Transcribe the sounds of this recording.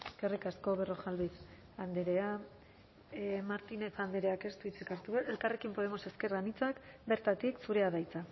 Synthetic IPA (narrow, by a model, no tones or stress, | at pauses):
kerikasko̞βero̞ʝalβið | and̪eɾe̞a | maɾt̪ine̞t͡sand̪eɾeake̞st̪uit͡sikaɾt̪uelkare̞kimpo̞ðe̞mo̞se̞ske̞ɾɣanit͡sakbe̞ɾt̪at̪iksuɾe̞aðajt͡sa